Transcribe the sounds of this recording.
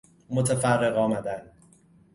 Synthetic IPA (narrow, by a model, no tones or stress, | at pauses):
mot̪ʰæfærːe̞ɣɒːmæd̪ænd̪